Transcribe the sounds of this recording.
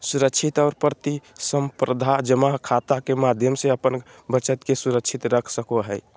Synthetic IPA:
suɾəkt͡ʃʰit̪ɔːɾpɾət̪isəmpɾəd̪ʱad͡ʒəmaɦkʰat̪akemad̪ʱjəmseəpən | bət͡ʃət̪kesuɾəkt͡ʃʰit̪ɾəkʰsəkoɦəj

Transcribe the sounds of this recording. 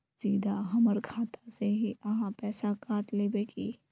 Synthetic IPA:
siːd̪ʱaɦɐməɾkʰaːt̪aseɦiɐɦãpɛːsakaːʈleːbeːʈʰḭː

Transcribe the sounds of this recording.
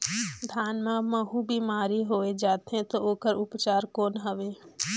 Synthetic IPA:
d̪ʱaːnmãməɦũbʱimaːɾiɦoːed͡ʒaːt̪ɦɛ̃t̪ooːkəɾʊpt͡ʃaːɾkoːnɦəʋeː

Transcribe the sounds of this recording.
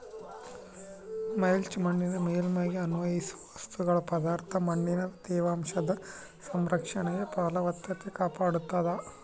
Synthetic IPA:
mɐjlt͡ʃmɐɳːinɐmeːlmɐːɡiɐnuʋɐjisuʋɐʋɐst̪uɡɐɭɐpɐd̪aːɾt̪ʰɐmɐɳːinɐd̪ɛːʋaːmʂɐd̪ɐ | sɐmɾɐkʂɐɳejɐpɐːlɐʋɐt̪jɐt̪ːekaːpaːɽut̪ːɐd̪ɐ

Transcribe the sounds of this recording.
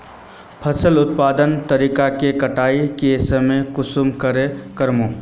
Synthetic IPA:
pʰɐsəlʊt̪̚paːd̪ənt̪əɾiːkakekɐʈaːikesəmẽkʊsumkəɾekəɾmõː

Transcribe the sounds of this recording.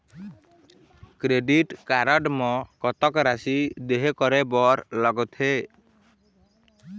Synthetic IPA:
kɾeɖiʈkaɾɔɖmɔkɔt̪ɔkɾasid̪eɦekɔɾɛbɔɾlɔɡɔt̪ʰhe

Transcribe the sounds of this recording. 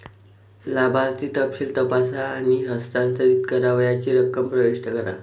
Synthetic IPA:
labʱaɾt̪iːt̪əpɕiːlt̪əpasaːɽ̃iɦəst̪ant̪əɾiːt̪kəɾaʋjat͡ɕiːɾəkːəmpɾəʋiʂʈʰəkəɾa̰

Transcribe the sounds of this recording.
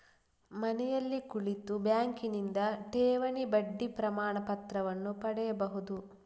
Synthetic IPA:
mɐnɛjɐlːikuɭit̪ubjaːŋkinind̪ɐʈɛːʋɐɳibɐɖːipɾɐmaːɳɐpɐt̪ɾɐʋɐnːupɐɽɛjɐbɐɦud̪u

